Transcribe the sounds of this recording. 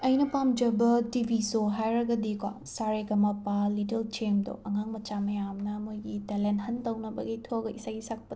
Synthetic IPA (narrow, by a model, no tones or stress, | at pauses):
ɐjnɐpamd͡ʒɐbɐtibʱisoɦajɾɐɡɐdikwa̰ | saɾeɡɐmapalitelt͡ʃemdo̰ʔɐŋaŋmɐt͡ʃamɐjamnɐmojɡitelenthɐntɐwnɐbɐ̰ɡitʰoɡɐisaɡisak̚pɐd